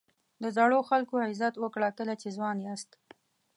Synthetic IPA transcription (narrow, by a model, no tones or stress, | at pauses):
d̪əzaɽoxalkohazat̪wəkɽakəlat͡ʃezwɑnjeast̪